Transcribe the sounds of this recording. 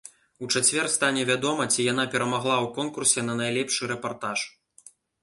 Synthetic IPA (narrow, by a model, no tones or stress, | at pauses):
ut͡ʂat͡sʲvʲɛrst̪anʲɛvʲad̪ɔmɐt͡sʲijanapʲɛɾɐmaɣlˠawkɔnkursʲɛnɐnajlʲɛpʂɨɾɛpart̪aʂ